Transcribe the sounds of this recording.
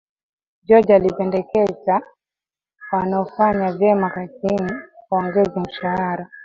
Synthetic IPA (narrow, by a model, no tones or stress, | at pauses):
d͡ʒɔd͡ʒalipɛndɛkɛza | wanaɔfaɲavjɛmakasinikaɔŋɡɛzam̩ʃahaɾa